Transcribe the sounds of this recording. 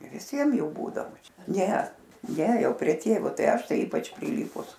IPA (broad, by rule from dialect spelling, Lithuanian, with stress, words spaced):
ʋʲɪˈsʲiɛm ˈjuː ˈbuːdɐʋoː ˈt͡ʃʲɛ ˈnʲɛ ˈnʲɛ ˈjɛʊ pʲrʲiɛ ˈtʲeːʋoː ˈtɐɪ ˈɐʃ ˈtɐɪ ˈiːpɐt͡ʃ pʲrʲɪˈlʲiːpʊs